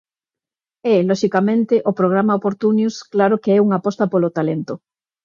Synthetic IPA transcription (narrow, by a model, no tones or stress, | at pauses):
ɛlɔʃikamẽnt̪ɪʔopɾoɣ̞ɾamaopoɾt̪unjusklaɾokeɛuŋapɔst̪apolot̪alent̪ʊ